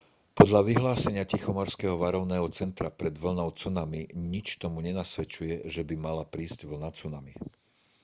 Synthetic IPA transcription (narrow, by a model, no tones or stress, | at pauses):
pɔd̪ʎaʋiɦlaːsɛɲɪacixɔmɔɾskɛːɦɔʋaɾɔʊnɛːɦɔt͡sɛnt̪ɾapɾɛd̪ʋl̩nɔʊt͡sunamiɲit͡ʃt̪ɔmuɲɛnasʋɛt͡ʃujɛʒɛbimalapɾiːzɟʋl̩nat͡sunami